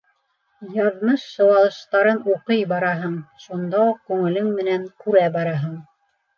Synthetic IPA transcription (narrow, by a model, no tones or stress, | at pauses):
jɑðmɤʃːɤ̆wɑlˠɤ̆ʃt̪ɑɾɤnuqɤjbɑɾɑɦɤɴʃund̪ɑuq̚kʉŋɘ̆lɘŋmɘ̆næŋkʉɾæbɑɾɑɦɤɴ